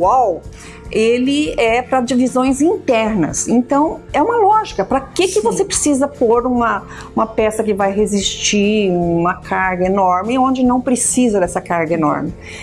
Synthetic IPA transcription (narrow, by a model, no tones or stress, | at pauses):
aw | elɪɛpɾɐd͡ʒivizõj̃zĩnt̪ɛɾnɐ̰sẽnt̪ɐ̃w̃ɛũmɐlɔʒikɐpɾɐkɪkɪvosepɾesizɐpoɾũmɐ | ũmɐpɛsɐkɪvajɦezist͡ʃiũmɐkʰaɾɡɐenɔɾmɪõd͡ʒɪnɐ̃w̃pɾesizɐd̪ɛsɐkaɾɡɐenɔ̰ɾmɪ